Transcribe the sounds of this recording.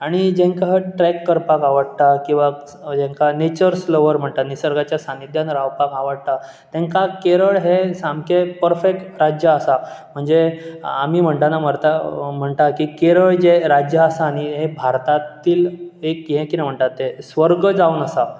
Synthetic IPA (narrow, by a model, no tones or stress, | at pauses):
aɽ̃id͡ʑẽŋkaʈɾɛkːəɾpakaʋəɽt̪akĩw̃ʋa | d͡ʑẽŋkanet͡ɕəɾsloʋəɾm̤əɳt̪anisəɾɡat͡ɕjasanid̪janɾawpakaʋəɽt̪a | t̪ɛ̃ŋkakeɾəɭɦesamkʰepəɾfek̚ʈɾad͡ʑjəəsam̤əɳd͡zea̰miːm̤əɳʈ̪anam̤əɾt̪am̤əɳt̪akikeɾəɭd͡ʑeɾad͡ʑjəːsañiɦebʱaɾt̪at̪iːlekɦɛ̃kinɛm̤əɳʈ̪at̪ːesʋəɾɡəd͡zaunəsa